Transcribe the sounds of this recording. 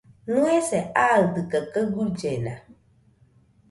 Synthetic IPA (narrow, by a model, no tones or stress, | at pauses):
nũɛsɛadɨkɛkəɡuɾd͡ʒɛnã